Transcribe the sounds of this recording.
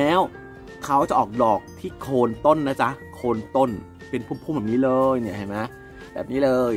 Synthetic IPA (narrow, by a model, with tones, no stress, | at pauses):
ɛː˦˥w | kʰa˦˥wt͡ɕa˨˩ʔɔː˨˩k̚dɔː˨˩k̚t̪ʰiː˥˩kʰoː˧nt̪o˥˩nːa˦˥t͡ɕa˦˥kʰoː˧nt̪o˥˩n | pe˧npʰuː˥˩pʰu˥˩bɛː˨˩niː˦˥lɤː˧jni˧˩ɐha˥˩jma˦˥ | bɛː˨˩p̚niː˦˥lɤː˧j